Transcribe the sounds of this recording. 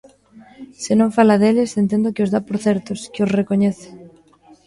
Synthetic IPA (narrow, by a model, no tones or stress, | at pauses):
sɪnõŋfalaðelɪsent̪̬ẽnd̪okɪozðapoɾθɛɾt̪oskɪosrekoɲeθe̥